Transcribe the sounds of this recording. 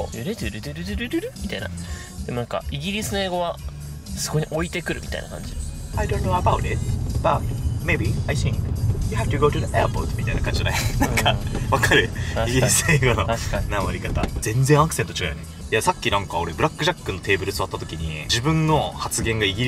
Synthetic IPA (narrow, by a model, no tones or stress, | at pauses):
ɾed̪ɾɯd̪ɯɾd̪eɾɾɯɾɯ̟mʲit̪aina̰ | d̪̥emo̞nãŋka̰iɡʲiɾʲisɨnoeːɡo̞βa | sɨ̥ko̞ɲiʔo̞it̪e̞kɯ̟ɾɯ̟mit̪a̰ḭna̰kã̰ɲd͡ʑid̪ajdõnːoabaʊt̪ɪt̪̚b̥atme̞biaɪθĩŋkjɨhæft̪ɨɡoːtɨðəʔeapo̰ɾt̪mʲit̪aḭnakãɲd͡ʑid̪ajnãŋkʰaβakaɾɯ̟iɡʲiɾisɨeːɡono̞namaɾʲikat̪a̰z̥ẽ̞nd͡zẽakɯ̟se̞nt̪ot͡ɕi̥kajone | jasakʲːinãŋkao̞ɾebɯ̟ɾakːɯ̟ʑakːɯnːo̞t̪e̞ːbɯɾɯ̟sɨβat̪ːat̪̬o̞kʲiɲ̟id͡ʑibɯ̟̃nːo̞hat͡sɨɡẽ̞ŋɡaiɡʲiɾ